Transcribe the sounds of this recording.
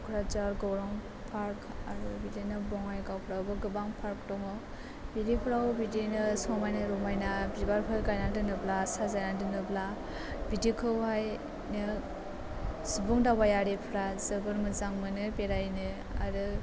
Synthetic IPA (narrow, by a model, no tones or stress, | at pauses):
kʰɾad͡ʒaɾɡɔwɾɔŋ | pʰaɾkʰaɾɯbidinɯbɔŋajɡawpʰɾawbɯɡɯbaŋpʰaɾkdɔŋɔ | bidipʰɾawbidinɯsɔmajnɯɾɔmajnabibaɾpʰɯɾɡajnadɯnɯblasazajnadɯnɯbla | bidikʰɯwɦaj | nɯ | subuŋdabajaɾipʰɾazɯbɯɾmɯzaŋmɯnɯpeɾajnɯ | a̰ɾɯ